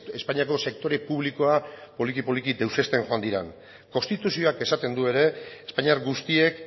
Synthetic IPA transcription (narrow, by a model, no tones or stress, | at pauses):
espaɲiako̞se̞k̚t̪o̞ɾe̞puβ̞liko̞apo̞likipo̞likid̪e̞wse̞st̪e̞nxo̞and̪iɾen | ko̞nst̪it̪usio̞ake̞sat̪e̞nd̪ue̞ɾe̞ːspaɲiaɾɡust̪ie̞k